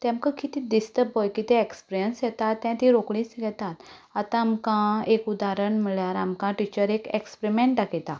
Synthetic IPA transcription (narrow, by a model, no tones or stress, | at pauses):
t̪ɛ̃mkakit̪id̪ist̪əpɦojkit̪eekspɾijənsjɛt̪at̪ːjɛ̃t̪iɾokɭĩsəɡɛt̪at̪at̪ãːmkãekud̪aɾəɳm̤əɭjaɾamkãʈit͡ɕəɾekekspɾimẽɳʈɖakɛt̪a